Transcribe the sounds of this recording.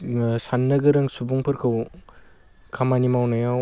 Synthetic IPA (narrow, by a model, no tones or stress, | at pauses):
sanːɐɡɯɾɐŋsubuŋpʰɯɾkʰɯw | kʰamanimawnajaw